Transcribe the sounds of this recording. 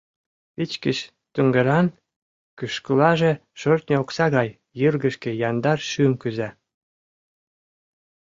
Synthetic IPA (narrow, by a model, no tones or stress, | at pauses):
pit͡ɕkəɕ | t̪yŋɡɤ̆ɾɑn | kyʃkəlɑʒĕʃørt̪nʲeoksɑɣɑjː | ɯrɡə̆ʃkĕjɑnd̪ɑrʃymkyzæ